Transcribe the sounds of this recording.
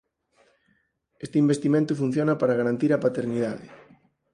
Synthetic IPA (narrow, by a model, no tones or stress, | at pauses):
est̪eimbest̪imẽnt̪ʊfun̟θjonapaɾaɣaɾant̪iɾapat̪eɾnið̞aðɪ